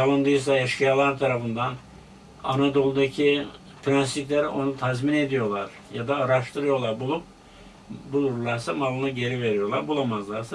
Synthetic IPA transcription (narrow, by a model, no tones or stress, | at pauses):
alˠɯnd̪ɯjɯs̬aaʃkɯjaːlˠaɾt̪ʰaɾafɯnd̪an | a̰nad̪o̞lˠd̪acʰi | pɾansit̪lʲæɾo̞nut̪ʰazmine̞d̪ijo̞lˠaɾ̥ | jad̪aːɾaʃt̪ʰɯɾɯjo̞lˠaɾbulˠup̚ | bulˠuɾɾlˠaɾsamalˠɯnaɟe̞ɾive̞ɾijo̞ɾlˠaɾbulˠamazlˠaɾsa